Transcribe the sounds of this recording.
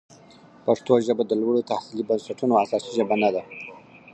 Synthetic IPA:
paʂt̪oʒəbad̪əlwaɽot̪ahsilibənsaʈunoasɑsiʒəbanad̪a

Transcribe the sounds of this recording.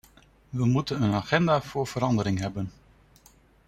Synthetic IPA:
ʋəmutənənaːχɛndaːvʊːɹv̥əɾɑndəɾɪŋɦɛbən

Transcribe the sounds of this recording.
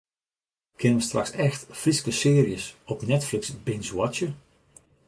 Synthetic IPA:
kʰɪnəʋəstra̰ksɛxtfriskəsɪːriəsɔpnɛtflɪksbɪnswɔtə

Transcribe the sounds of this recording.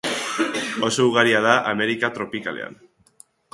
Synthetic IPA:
osouɣ̞aɾiað̞aʔameɾikat̪ɾo̞pikalḛa̰n

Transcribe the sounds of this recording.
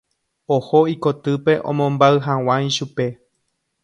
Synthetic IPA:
ohoiko̞t̪ɨpe̞ʔõ̰mõmbaɨɦãw̃ãjʃupe̞

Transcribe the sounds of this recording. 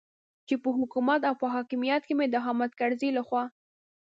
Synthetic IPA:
t͡ʃepəɦʊkumat̪awpəɦɑkɪmijat̪̚kemed̪əɦɑmat̪kaɽzilaxwɑ

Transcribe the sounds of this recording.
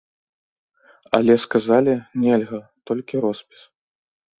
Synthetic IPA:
ɐ̰lʲɛskazalʲinʲɛlʲɣɐt̪ɔlʲkʲiɾɔspʲi̥s

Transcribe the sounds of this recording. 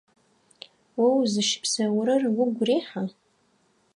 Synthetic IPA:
wawzɨʃpʰsɐwɾɨrɡʷʊɡʷriːħa

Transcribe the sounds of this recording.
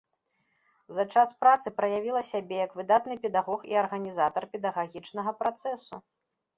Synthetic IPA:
zɐt͡ʂaspɾat̪sɨpɾɐjavʲilˠɐsʲabʲɛjɐkvɨd̪at̪nɨpʲɛd̪aɣɔxiɐrɣɐnʲizat̪ɐrpʲɛd̪ɐɣaɣʲit͡ʂnɐɣɐpɾat̪sɛsu

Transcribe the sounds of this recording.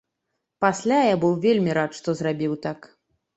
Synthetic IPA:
pasʲlʲajabɨwvʲelʲmʲiɾat̪ʂt̪ɔzrabʲiwt̪ak

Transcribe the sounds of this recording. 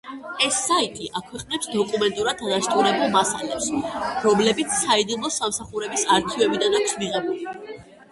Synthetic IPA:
ɛsːait̪ʼiʔakʰwɛqʼnɛpsd̪ɔkʼumɛnt̪ʼuɾad̪ad̪aʃt̪ʼuɾɛbulˠmasa̰lɛpsɾɔmlɛbit̪sʰsaid̪ilˠmɔsamsaχuɾɛbisaɾt̪ʰivɛbid̪anakʰsmiʁɛbuli

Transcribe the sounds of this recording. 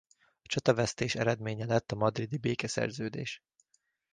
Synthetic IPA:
ɒt͡ʃɒt̪ɒvɛst̪eːʃɛɾɛd̪meːɲɛlɛt̪ːɒmɒd̪rid̪ibeːkɛsɛ̰rzøːd̪ḛːʃ

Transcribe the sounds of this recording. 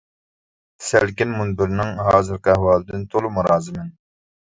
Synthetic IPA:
sælkʲinmunbɪɾnɪŋɦɑːzɨɾqəɛhwɑːlˠɨd̪ɪnt̪ʰolˠumuɾɑːzɨmɪn

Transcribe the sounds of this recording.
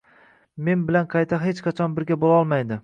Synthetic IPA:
me̞nbɪlanqʰɑjt̪ʰaɦet͡ʃqʰɑt͡ʃʰɒnbɪɾɡʲabolaɒlˠmajd̪ɪ

